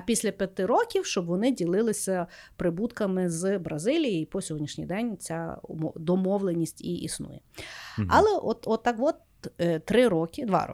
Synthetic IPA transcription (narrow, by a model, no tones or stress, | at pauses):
pʲisʲlʲɐpʲjɐt̪ɪɾɔkʲiwʃt͡ʃɔbʋɔnɪdʲilˠɪlˠɪsʲɐpɾɪbut̪kɐmɪzbɾɐzɪlʲijɪipɔsʲɔɦɔdʲnʲiʃnʲḭjd̪ɛnʲt͡sʲa̰mɔd̪ɔmɔʋlˠenʲisʲtʲiʔḭsnṵjɛɐlˠɛʔɔt̪ɔt̪ːɑkʋɔt̪ | t̪ɾɪɾɔkʲɪd̪ʋɑ̰ɾɔ̰